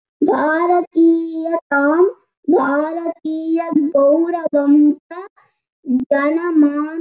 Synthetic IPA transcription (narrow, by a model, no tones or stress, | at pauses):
bʱaːɾɐt̪iːjɐt̪aːm | bʱaːɾɐt̪iːjɐɡowɾɐʋɐmtɐ | ɡɐnɐmaː